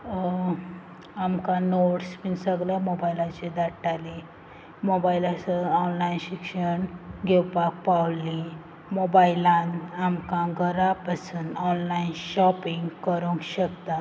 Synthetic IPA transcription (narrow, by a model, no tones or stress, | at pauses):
amkãnoʈspinsəɡljamobailat͡ɕed̪aʈːale | mobailasəɔnlainɕikʂəɳɡʱewpak̚pawlĩ | mobailãnamkãɡəɾapasuːnɔnlainɕɔpiŋɡkəɾũŋkɕəkt̪a